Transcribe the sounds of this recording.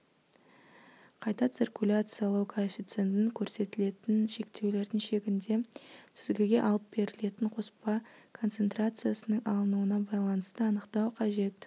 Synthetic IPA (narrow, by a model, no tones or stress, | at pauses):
qʰɑjt̪ɑt̪sirkulʲat̪sɨjalˠɑwkʰofʲit̪sent̪ɪŋkʲʰɵɾse̞t̪ɪle̞t̪ɪnʃe̞kt̪e̞wle̞ɾd̪ɪŋʃe̞ɡʲɪnd̪e̞t̪ʰʏzɡʲɪɡʲe̞ʔɑlˠəp̚be̞ɾɪle̞t̪ɪɴqʰo̞spɑkʰo̞nt̪se̞nt̪rat̪sɨjasənəɴʔɑlˠənuənɑbɑjlˠɑnəst̪əɑnəqt̪ɑwqʰɑʒe̞t̪